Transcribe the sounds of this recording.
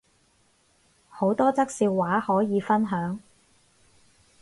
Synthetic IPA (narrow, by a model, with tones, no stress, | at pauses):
ho˨˥wt̪ɔː˥t͡sɐ˥k̚siː˧wwaː˨˥hɔː˨˥jiː˨˧fɐ˥nɦœː˨˥ŋ